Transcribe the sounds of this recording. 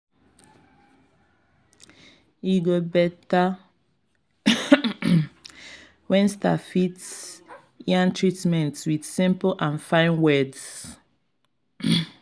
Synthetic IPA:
iɡobɛta | wɛ̃nstafits | iãntʰɹitmɛ̃ntwið̥sĩmplʔãnfãɪ̃nwɛds

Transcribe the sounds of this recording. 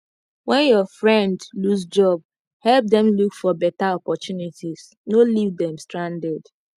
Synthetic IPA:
wɛ̃njɔfɹɛ̃ndlusd͡ʒɔb̚ | hɛlp̚d̪ɛ̃mlukfɔbɛtaɔpɔt͡ʃunitiz | nolivdɛ̃mstɹãndɛd

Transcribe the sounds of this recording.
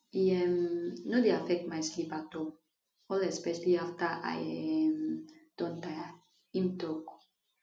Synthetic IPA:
iɛmnodeafɛk̚tmajslipatɔ | ɔlɛspɛʃaliaftaʔa̰jmd̥ɔ̃nta | ĩmt̪ɔk

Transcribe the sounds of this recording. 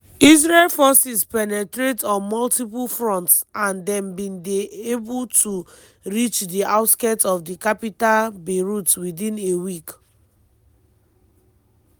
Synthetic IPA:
iz̬ɹelfɔsispɛnɛtɹetɔ̃nmɔltipulfɹɔ̃ntsãndɛ̃mbĩndeebultʰu | ɹit͡ʃdiaʊtskɛtɔfdikapitalbeɹutwidĩnewik

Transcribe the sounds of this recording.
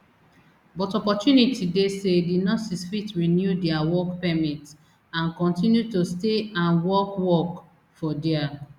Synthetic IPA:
bɔtɔpɔtjunitʰidesedinɔsisfitɹinjudɛawɔkpɛmit | ãnkɔ̃ntĩnjutosteãnwɔkwɔk | fɔdɛa

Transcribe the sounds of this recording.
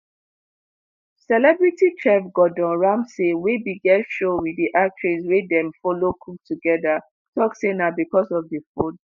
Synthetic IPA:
sɛlɛbɹitit͡ʃʰɛfɡɔdɔ̃nɹãmsewebiɡɛtʃowiiʔak̚tʰɹiswedɛ̃mfɔlokʰuk̚tuɡɛða | tʰɔksenabikɔsɔvdifud

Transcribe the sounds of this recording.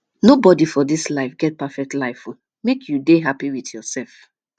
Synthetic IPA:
nobɔdifɔdislaɪfɡɛt̚pafɛk̚tlaɪfu | mekʰjudeɦapiwiθjɔsɛlf

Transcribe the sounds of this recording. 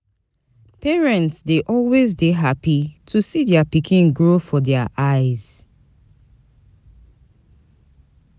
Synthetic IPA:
pɛɹɛ̃ntsdeʔɔlwezdeɦapitʰusidɛapikʰĩnɡɹofɔdɛaʔaɪz̥

